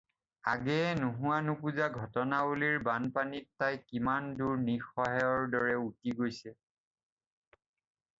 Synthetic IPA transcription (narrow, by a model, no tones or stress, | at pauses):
a̰ɡɛɛnuɦʊwanupuzaɡʱɔtɔnaoliɹbanpanitːajkimanduɹnixɔɦɛɔɹdɔɹɛutiɡojsɛ